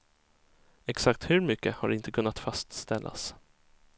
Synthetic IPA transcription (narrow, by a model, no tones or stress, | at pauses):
ɛksak̚t̪hɵɾmʏkːəhaɖɪnt̪əkʰɵnːat̪fast̪st̪ɛlːa̰s